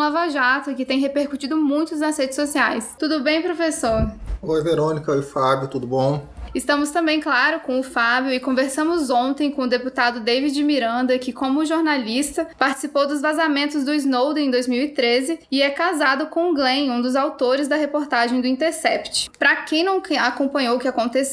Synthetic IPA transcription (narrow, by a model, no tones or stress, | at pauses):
lavaʒat̪ʊkɪt̪ẽj̃ɦepeɾkut͡ʃid̪ʊmũj̃t̪ʊznɐzhed͡ʒɪsːosiajst̪ud̪ʊbẽj̃pɾofesoɾojveɾõnikɐojfabjʊt̪ud̪ʊbõw̃ɪst̪ɐ̃mʊst̪ɐ̃mbẽj̃klaɾʊkõʊfabjʊɪkõveɾsɐ̃mʊzõt̪ẽj̃kõʊd̪eput̪ad̪ʊd̪ejvid͡ʒɪmiɾɐ̃nd̪ɐkɪkõmʊʒoɾnalist̪ɐpaɾt͡ʃɪ̥sipowd̪ʊzvazamẽnt̪ʊzd̪ʊiznowd̪̃ẽd̪ojzmiwit̪ɾezɪɪɛkazad̪ʊkõɡlẽj̃ũd̪ʊzawt̪oɾɪzd̪ɐɦepoɾt̪aʒẽj̃d̪ʊĩnt̪eɾsɛpt͡ʃɪ̥pɾɐkẽj̃nɐ̃w̃akõmpɐ̃ɲowʊkɪakõt̪es